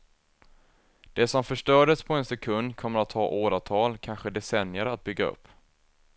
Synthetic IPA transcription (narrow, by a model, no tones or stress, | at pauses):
d̪̥ɛsɔmfœʂʈœːɖəspʰɔɛnsɛkʰɵnd̪kʰɔmːəɾat̪ʰhɑ̰ːʔoːɾat̪ʰɑːlkʰanɧəd̪ɛsɛnjəɾat̪̚bʏɡːaɵ̰pː